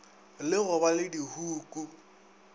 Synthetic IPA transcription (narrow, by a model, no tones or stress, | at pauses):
lɪɣʊbalɪdihuːkʼu